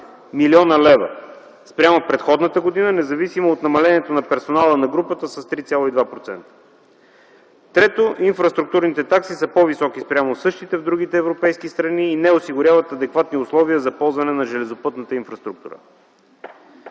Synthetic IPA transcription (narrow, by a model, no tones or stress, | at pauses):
miliɔnəlɛvə̰ | spɾʲamopɾɛt̪xɔd̪nət̪əɡod̪inənɛzɐvisimoːt̪nɐmɐlɛniɛt̪onɐpɛɾsonalˠənɐɡɾupət̪əsɐst̪ɾit̪sʲalˠoid̪vapɾot̪sɛ̰nt̪ə̥ | t̪ɾɛt̪oʔinfɾɐst̪ɾukt̪uɾnit̪ɛt̪aksisəpɔvisɔkispɾʲamosɤʃt̪it̪ɛvd̪ɾuɡ̟it̪ɛːvɾopɛjskist̪ɾɐniːnɛosiɡʊɾʲavət̪ɐd̪ɛkvat̪niʊslˠɔviəzɐpɔlˠzvɐnɛnɐʒɛlɛzopɤt̪nət̪əinfɾɐst̪ɾuk̚t̪ṵɾə̰